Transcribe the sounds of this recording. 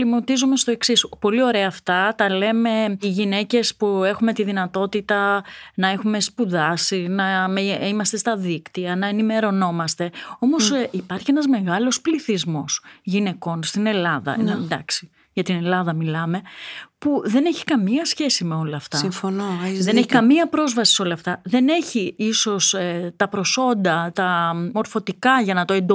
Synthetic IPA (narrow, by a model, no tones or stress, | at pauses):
limot̪izume̞st̪o̞e̞ksispo̞lio̞ɾe̞ɐːft̪ɐt̪ɐle̞me̞iʝine̞ce̞spue̞xume̞t̪iðinɐt̪o̞t̪it̪ɐnɐe̞xume̞spuðɐsinɐmimɐst̪e̞st̪ɐðikt̪iɐnɐenime̞ɾo̞no̞mɐst̪e̞o̞mo̞ssipɐɾçienɐzme̞ɣɐlo̞spliθizmo̞sʝine̞ko̞nst̪ine̞lɐðɐ̰enɐd̪ɐksi | ʝɐt̪ine̞lɐðɐmilɐme̞puðe̞ne̞çi̥kɐmiɐsçe̞sime̞o̞lɐːft̪ɐifnoðe̞neçikɐmiɐpɾo̞zvɐsi̥so̞lɐːft̪ɐðe̞ne̞çiiso̞st̪ɐpɾo̞so̞nd̪ɐt̪ɐmo̞ɾfo̞t̪ikɐʝɐnɐt̪o̞e̞nd̪